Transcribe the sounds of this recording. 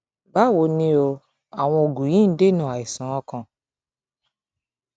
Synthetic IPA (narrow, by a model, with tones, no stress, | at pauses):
ba˦˨wo˧˦nĩ˧o˧ | a˨w̃ɔ̃˧o˨ɡũ˨jĩ˦n̩˦de˦nũ˦˨a˨i˨sã˨˦ɔ̃˧kã˧